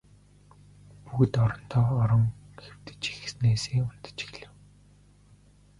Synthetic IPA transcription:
puɣɘ̆t̪ɔɾɞ̆n̥t̪ʰɔːɔɾɞ̆ŋxew̥t̪ɘ̥̆t͡ɕixsneːseːʊn̥t̪ə̥̆t͡ɕi̥ɣɮɘ̆w

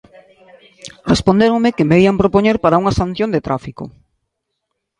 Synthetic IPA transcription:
respond̪eɾoŋmekemeiampɾopoɲeɾpaɾauŋɐsan̟θjõnd̪et̪ɾafiko̰

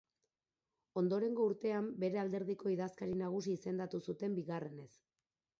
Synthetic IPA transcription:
o̞nd̪o̞ɾe̞ŋɡo̞uɾt̪e̞ambe̞ɾe̞ald̪e̞ɾðiko̞iðaskaɾinaɣ̞usiːse̞nd̪at̪usut̪e̞mbiɣare̞ne̞s

